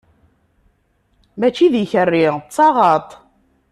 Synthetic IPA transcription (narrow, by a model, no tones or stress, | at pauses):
mæt͡ʃiðiçərːit͡sˤːɑʁɑt̪ˤ